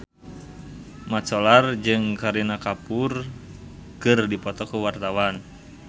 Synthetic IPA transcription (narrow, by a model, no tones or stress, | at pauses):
mat͡ʃɔlard͡ʒɨŋkaɾinakapur | kɨrdipɔt̪ɔkuwart̪awan